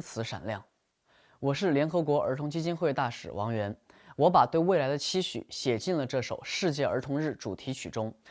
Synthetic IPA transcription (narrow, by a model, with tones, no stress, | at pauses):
t͡sʰɹ̩˧˥ʂa̰˨˩nljɑ˥˩ŋ | wɔ˨˩ʂɻ̩˥˩ljɛ˧˥nxɤ˧˥kwɔ˧˥ə̰˞˧˥t̪ʰʊ˧˥ŋt͡ɕi˥t͡ɕi˥nxwe˥˧ɪt̪a˥˩ʂɻ̩˨˩wʔɑ̰˧˥ŋɥɛ˧˥nwɔ˧˥pa˨˩t̪we˥˧ɪwɪla˧˥ɪd̪ə˧t͡ɕʰi˥ɕy̰˨˩˦ɕjɛ˨˩t͡ɕi˥˩nlə˩ʈ͡ʂɤ˥˩ʂo˨˩˦ʊʂɻ̩˥˧t͡ɕjɛ˥˩ə̰˞˧˥t̪ʰʊ˧˥ŋɻɻ̩˥˩ʈ͡ʂu˨˩t̪ʰi˧˥t͡ɕʰy̰˨˩ʈ͡ʂʊ˥ŋ